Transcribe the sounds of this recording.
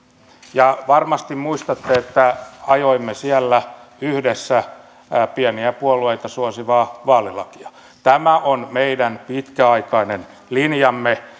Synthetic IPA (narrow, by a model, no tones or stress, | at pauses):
jɑʋɑrmɑst̪immuist̪ɑt̪ːeet̪ːæɑjoimːesiælːæyhdesːæ | piæniæpuolueit̪ɑsuosiʋɑːʋɑːlilɑ̰ki̥ɑ̥ | t̪æmæʔonmeidænpit̪kæɑikɑinen | linjɑmːe